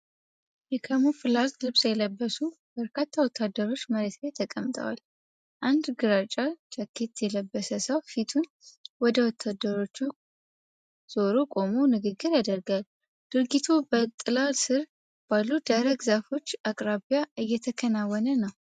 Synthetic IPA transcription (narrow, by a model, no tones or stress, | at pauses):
jɛkʰəmufɨlːazlɨβsjɛləbːəsu | bəɾkʰat̪ʰːawɔt̪ʰːad̪ːəɾo̞t͡ʃːməɾet̪lat̪ʰəkʼəmt̪ʼə̰wa̰l | ʔand̪ɡɨɾat͡ʃʼːat͡ʃʰʼəkʰːet̪jɛləbːəsəsəwfit̪ʰun | wɔd̪əwɔt̪ʰːad̪ːəɾo̞t͡ʃːu | z̥o̞ɾukʼo̞munɨɡɨɡːɨɾjad̪əɾɡal | d̪̥ɨɾɡit̪ʰubət̪ʼɨlalsɨɾ | b̥alːud̪aɾəɡzafo̞t͡ʃːakʼɾaβijaʔɨjːɛt̪ʰəkʰənawːɔnənəw